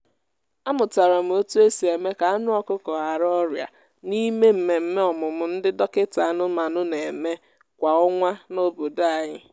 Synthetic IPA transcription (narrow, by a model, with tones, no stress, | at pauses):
a˦mʊ˨ta˨ɾa˨m̩˨˦o˦tu˦e˦si˨e˨me˦ka˨a˦nʊ˦ɔ˨kʊ˦kɔ˨ɦa˨ɾɔ˦ɾja̰˨ | ni˦me˦m̩˨me˨m̩˦me˦ɔ˨mʊ˨mʊ˨n̩˦dɪ˦dɔ˦kɪ˦ta˨a˦˨nʊ˦ma˨nʊ˦ne˨me˦ | kʷa˨ʊ˦ŋʷa˦no˦bo˨da˨ɲɪ˦